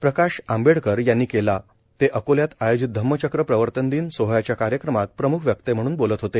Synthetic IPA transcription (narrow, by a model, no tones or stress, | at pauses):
pɾəkaɕambeɽkəɾjanːiːkela | t̪eʔəkoljat̪ajod͡ʑit̪̚d̪ʱəmːət͡ɕəkɾəpɾəʋəɾt̪ənd̪iːnsoɦjat͡ɕjakaɾjəkɾəmat̪̚pɾəmukʰʋjək̚t̪em̤əɽ̃uːnbolət̪ɦot̪e